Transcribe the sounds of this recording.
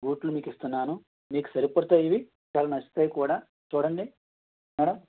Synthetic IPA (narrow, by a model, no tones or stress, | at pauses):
ɡuːʈlumiːkist̪unːaːnu | miːku̥sɐɾipɐɽt̪aːjiʋi | t͡ʃaːlɐnɐsi̥t̪ɐjkuːɽaː | t͡ʃuːɽɐɳɖi | mɛːɽɐm